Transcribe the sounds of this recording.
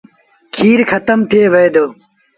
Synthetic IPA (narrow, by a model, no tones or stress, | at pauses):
kʰiːɾxʰɐt̪əmt̪ʰeːʋed̪oː